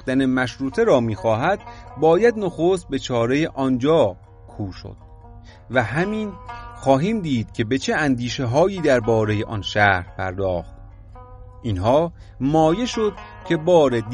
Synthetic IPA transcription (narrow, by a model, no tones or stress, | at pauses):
d̪ænemæʃɾuːt̪ʰe̞ɾɒːmiːxɒːɦæd̪̚bɒːjæd̪noxost̪̚be̞t͡ʃʰɒːɾe̞jeʔɒnd͡ʒɒː | kʰuːʃo̰d̪̥ | væɦæmiːnxɒːɦiːmd̪iːd̪̥̚cʲʰe̞be̞t͡ʃʰe̞ænd̪iːʃe̞ɦɒːjiːd̪æɾbɒːɾe̞jeʔɒnʃæːɾpʰæ̰ɾd̪ɒːxt̪ | ʔinɦɒː | mɒːje̞ʃo̞d̪̥̚ | cʰe̞bɒːɾed̪